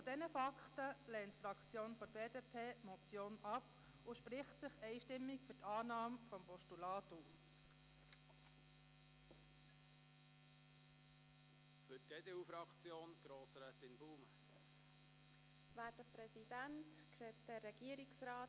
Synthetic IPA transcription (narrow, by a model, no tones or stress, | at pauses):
fod̥ɛnəfɑkχtəlɛːntfrɑkt͡sjoːnfɔɾbeːdeːpʰeːmɔt͡sjoːnɑp | ʊʃprɪχtsɪχɛɪʃtɪmːɪkfʏtɑːnɑːmfɔmpɔʃtulɑːtuːs | fʏtɡ̥eːdeːufɾɑkt͡sjoːnɡ̥ɾoːsɾɛːt̪ɪnbuːm | ʋæːɾd̥əpɾɛsid̥ænt | ksɛːt͡stdɛːɛɡ̥iəɾiksɾɑː